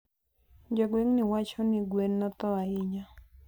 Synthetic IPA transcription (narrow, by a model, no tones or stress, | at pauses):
d͡ʒɔɡweŋnɪwat͡ʃɔnɪɡwenːɔt̪ɔaɪɲa